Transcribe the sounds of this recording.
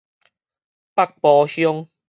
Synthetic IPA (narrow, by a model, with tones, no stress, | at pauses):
pa˦˥˨k̚pɔ˨˧hjɔ˦ŋ